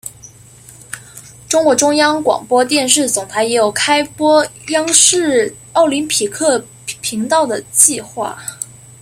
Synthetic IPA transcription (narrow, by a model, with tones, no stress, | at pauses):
ʈ͡ʂʊ˥ŋkwɔ˧˥ʈ͡ʂʊ˥ŋjɑ˥ŋkwɑ̰˨˩ŋpwɔ˥t̪̬jɛ˥˧nʂɻ̩˥˩t͡sʊ˨˩ŋt̪ʰa˧˥ɪjɛ˧˥jo˨˩ʊkʰa˥ɪpwɔ˥jɑ˥ŋʂɻ̩˥˩ | ɑ˥˩ʊli˧˥npʰi˨˩kʰɤ˥˩ | pʰi˧˥ŋt̪ɑ˥˩ʊd̪ə˩t͡ɕi˥˧xwa̰˥˩